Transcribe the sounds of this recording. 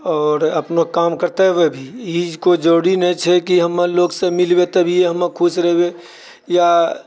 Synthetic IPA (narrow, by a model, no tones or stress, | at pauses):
ɔːɾəpnokaːmkəɾt̪ewebʱiid͡ʒkod͡ʒoːɽinə̃t͡ʃʰɛkiɦəmaloːɡsemɪlbet̪əbʱieɦəmakʰusɾɛɦbe | ja